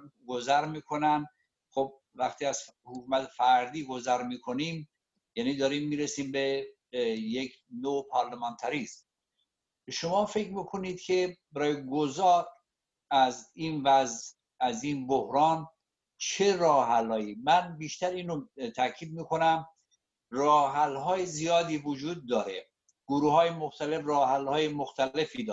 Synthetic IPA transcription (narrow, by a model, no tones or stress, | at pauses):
ɡozæɾmiːkʰonæn | xob̚ | væxt̪ʰiːæz̥hokʰuːmæt̪ʰefæɾd̪iːɡozæɾmiːkʰoniːm | jæːniːd̪ɒːɾiːmːiːɾesiːmbe | jekʰ | nopʰɒɾlemɑnt̪ʰæɾiːz | ʃomɒːfe̞kɾmiːkʰo̞niːd̪̥kʰebæɾɒːjeɡozɒːɾ | æziːnvæz | æziːnbohɾɒːn | t͡ʃʰe̞ɾɒːɦælɒːjiːmænbiːʃt̪æɾiːnot̪ʰækʰiːd̪̚miːkʰo̞næm | rɒːɦælɦɒːjezijɒːd̪iːvod͡ʒuːd̪̚ːɒːɾḛ | ɡ̥oɾuːhɒːjemoxt̪æle̞frɒːɦælhɒːjemoxt̪ʰæle̞fid̪ɒː